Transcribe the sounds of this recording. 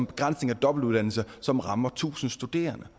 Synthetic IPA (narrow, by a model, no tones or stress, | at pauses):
mb̥e̝ɡ̥ʁɑ̈n̰sne̝ŋæd̥ɒ̽b̥l̩uð̞ˠd̥ænl̩səsɒ̽mʁɑ̈mɐt͡sʰṵːsn̩sd̥ud̥e̝̰ːɐnə